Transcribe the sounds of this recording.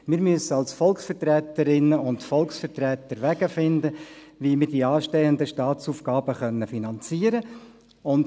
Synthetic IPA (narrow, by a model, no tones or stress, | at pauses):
mɪːɾmyəsəɑlsfɔlksfərt̪rɛt̪əɾɪnːəʊntfɔlˠksfəɾtrɛːt̪əɾʋæɡ̥əfɪnd̪əʋiːmɪɾdiɑːʃtɛənd̪əʃtɑːt͡suːfɡɑːb̥əχœnːəfinɑnt͡siːəɾə | ʊnd